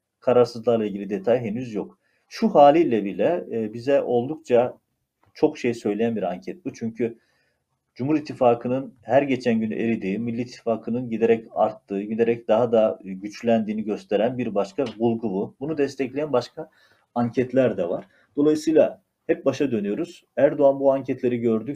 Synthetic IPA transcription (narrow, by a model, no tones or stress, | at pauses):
kʰaɾaɾsɯzlˠaɾlˠaiɟilʲid̪et̪ʰajɦe̞nyzjo̞k | ʃuhaːlʲiːlʲɛbilʲɛbizɛʔo̞lˠd̪ukt͡ʃʰa | t͡ʃʰo̞kʃejsø̞jlʲejænbiɾaɲcʰɛt̪̚but͡ʃʰyɲcʰy | d͡ʒumuɾit̪ʰːifaːkʰɯnɯnhæɾɟe̞t͡ʃʰænɟynʔeɾid̪iːmilʲːiːt̪ʰːi̥faːkʰɯnɯnɟid̪e̞ɾɛca̰ɾt̪ʰːɯːɟid̪eɾɛc̚d̪aɦad̪aɟyt͡ʃlʲænd̪iːniɟø̞st̪ʰe̞ɾænbiɾbaʃkʰabulˠɡububunud̪ɛst̪ʰɛclʲejænbaʃkʰa | aɲcʰɛt̪ʰlʲæɾd̪ɛvaɾ̥ | d̪̥o̞lˠajɯsɯjlˠa | hɛp̚baʃad̪ø̞nyjo̞ɾuz̥ | æɾd̪oanbuaɲcʰɛt̪ʰlʲe̞ɾiɟø̞ɾd̪y